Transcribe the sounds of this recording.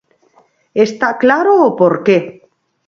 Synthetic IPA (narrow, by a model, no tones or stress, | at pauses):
est̪aklaɾoːpoɾke